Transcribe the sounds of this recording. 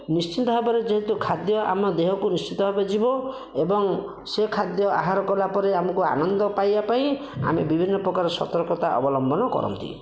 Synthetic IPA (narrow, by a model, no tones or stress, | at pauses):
nist͡ʃit̪ɔɦebɔɾed͡ʒeɦet̪ukʰad̪jɔʔa̰mɔd̪eɦɔkunist͡ʃit̪ɔɦebed͡ʒibɔ | ebɔŋ | sekʰad̪jɔa̰ɦaɾɔkɔlapɔɾeamɔkua̰nɔnd̪ɔpajbapaĩ | a̰mebibʱinːɔpɾɔkaɾɔsɔt̪ɔɾkɔt̪aʔɔ̰bɔlɔmbɔnɔkɔ̰ɾɔ̰nt̪ḭ